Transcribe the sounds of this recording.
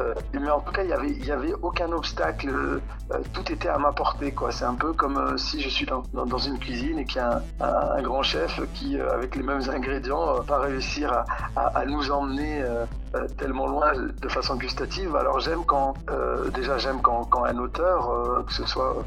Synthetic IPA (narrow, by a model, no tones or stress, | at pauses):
øemɛɑ̃t̪u̥kailjavɛiljavɛʔokɛ̃nɔpst̪aklə | ø̰t̪ut̪et̪ɛamapɔʁt̪ekwasɛt̪ɛ̃pøkɔmøsiʒəsɥid̪ɑ̃d̪ɑ̃d̪ɑ̃zynkʲɥizinekʲiaɛ̃ | ɛ̰̃ɛ̃ɛ̰̃ɡʁɑ̃ʃɛfkʲiø̰a̰vɛklemɛmzɛ̃ɡʁed̪jɑ̃øpaʁeysiʁaa̰ʔːnuzɑ̃mneø | øt̪ɛlmɑ̃lwɛ̃d̪əfasɔ̃ɡyst̪at̪iva̰lɔ̰ʁʒɛmkɑ̃ø̰d̪eʒaʒɛmkɑ̃kɑ̃ɛ̃not̪œːʁøkə̥səswaø̰